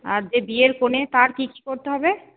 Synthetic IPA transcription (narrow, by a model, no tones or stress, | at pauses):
aɾd͡ʑebieɾkonet̪aɾʈiki̥koɾt̪eɦɔbe